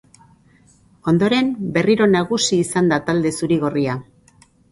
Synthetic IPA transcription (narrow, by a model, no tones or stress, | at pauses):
o̞nd̪o̞ɾe̞mbe̞riɾo̞naɣusiːsand̪at̪ald̪e̞suɾiɣo̞ria